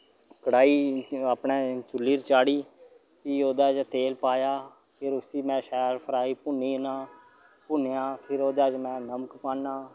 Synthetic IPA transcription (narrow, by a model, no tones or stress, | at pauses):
kəɽaːiːaːpɳeːt͡ʃʊlːiːɾt͡ʃaːɽiː | kioːd̪aːd͡ʒt̪eːlpaːjaː | pʰɪɾʊsiːmɛ̃ːʃɛːɾpʰəɾaːiːpʊnːiːnãː | pʊnejãːpʰɪɾoːd̪aːd͡ʒmɛ̃ːnəməkpãːnːaː